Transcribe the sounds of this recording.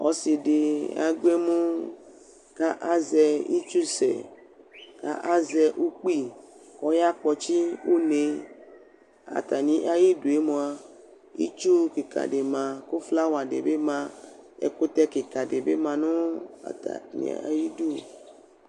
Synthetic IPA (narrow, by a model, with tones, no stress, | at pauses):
ɔ̰˦si˨de˨a̰˨ɡ͡be˦mũ˦ | ka˦ʔa˦zɛ˨i˦t͡ʃu˦sɛ̰˨ | ka̰˦ʔa˦zɛ˨ʔu˦k͡pi˦kɔ˦ja˦k͡pɔ˨t͡ʃi˦wu˦ne˨ | a̰˨t̪a˨nĩ˨ʔa˦ji˦du˨e˦mõ˨a˨ | ḭ˦t͡ʃu˦ke˨ka̰˨ɖe˨mã˨ko˦fla˦wa˨ɖḛ˨be˦mã˦ḛ˨ko˦t̪ɛ˦ke˨ka˨ɖe˨be˦mã˨nʊ̃˦a̰˨t̪a̰˨nḭ̃˨a̰˨a˨ji˦du˦˨